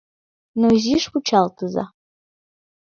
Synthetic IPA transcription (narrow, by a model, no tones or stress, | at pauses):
noziʂut͡ʃʰalt̪ʰɨza̰